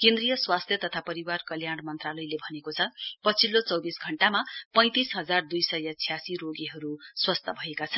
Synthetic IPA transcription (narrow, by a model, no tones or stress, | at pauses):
kẽnd̪rijʌswast̪ʰjʌt̪ʌt̪ʰapʌɾiwarkʌljaɽ̃mʌnt̪ralʌjlebʱʌnekot͡sʰʌpʌt͡sʰilːot͡sʌwbisɡʱʌɳʈamapʌ̃j̃t̪isɦʌd͡zard̪ujsʌjʌt͡sʰjasiroɡiɦʌɾuswʌst̪ʰʌbʱʌekat͡sʰʌn